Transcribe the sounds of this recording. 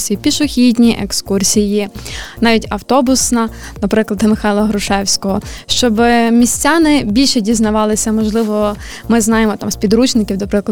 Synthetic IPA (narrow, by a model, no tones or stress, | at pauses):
sʲijipʲiʃʊxʲidʲnʲiʔekskursʲijinɑʋʲitʲɐwt̪ɔbʊsnɐ | nɐpɾɪklˠɐd̪ɪmɪxɑjlˠɐɦɾʊʃɛwsʲkɔɦɔʃt͡ʃɔbmʲisʲt͡sʲanɪbʲilʲʃɛdʲiznɐʋɑlˠɪsʲɐmɔʒlˠɪʋɔ | mɪznɑjemɔt̪ɑmsʲpʲid̪ɾut͡ʃnɪkʲiwnɐpɾɪklˠɐ